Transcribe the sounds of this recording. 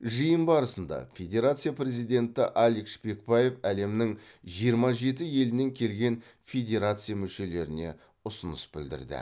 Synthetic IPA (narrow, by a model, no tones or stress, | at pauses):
ʒijəmbɑɾəsənd̪ɑ̰fʲe̞d̪ʲe̞ɾat̪sɨjapre̞zijd̪ʲe̞nt̪ɪʔɑlʲˠikʃpe̞k̚paje̞fæle̞mnɪŋʒijəɾmɑʒe̞t̪ɪje̞lɪne̞ŋkʲʰe̞lɡʲe̞nfʲe̞d̪ʲe̞ɾat̪sɨijamʏʃe̞le̞ɾɪne̞̰ | ʊsənəsbɪld̪ɪ̰ɾd̪ɪ̰